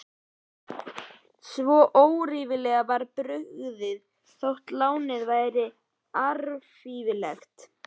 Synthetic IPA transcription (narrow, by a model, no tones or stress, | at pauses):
svɔːʔowɾivɪlɛːɣavaɾpɾʏɣɣðɪð | θowht̪laːwnɪðvaːjɾɪ | aɾfivɪlɛxt̪